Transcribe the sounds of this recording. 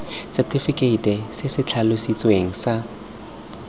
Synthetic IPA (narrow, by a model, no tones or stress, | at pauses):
sɛtʰʼifikʼeitʼɛsɪsɪt͡ɬʰalʊsit͡sʼweŋ̩sa